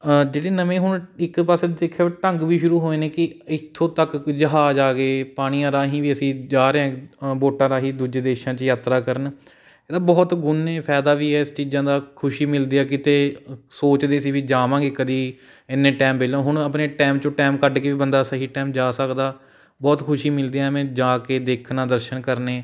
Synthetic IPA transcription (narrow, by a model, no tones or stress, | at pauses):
d͡ʒeːɽeːnəmẽːɦʊɳɪkpaːseːɪkʰːeːʈəŋɡʋiːʃʊɾuːɦoːeːneːkɪɪt̪ʰːõːt̪əkd͡ʒəɦaːd͡ʒaːɡeːpaːɽ̃iːãːɾaːɦĩːʋiːəsĩːd͡ʒaːɾeːãːboːʈãːɾaːɦĩːd̪uːd͡ʒeːd̪eːʃãːt͡ʃəjaːt̪ɾaːkəɾən | eːd̪aːbɔːt̪ɡʊnːẽːpʰɛːd̪aːʋiːɛːɪst͡ʃiːd͡ʒãːd̪aːkʰʊʃiːmɪld̪iːɛːkɪt̪eːsoːt͡ʃd̪eːsiːʋiːd͡ʒaːʋãːɡeːkəd̪iː | ɪnːẽːʈɛːmbeːlõːɦʊɽ̃əpneːʈɛːmt͡ʃõːʈɛːmkəɖkeːʋiːbənd̪aːsəɦiːʈɛːmd͡ʒaːsəkd̪aː | bɔːt̪kʰʊʃiːmɪld̪eːɛːmẽːd͡ʒaːkeːd̪eːkʰnãːd̪əɾʃənkəɾneː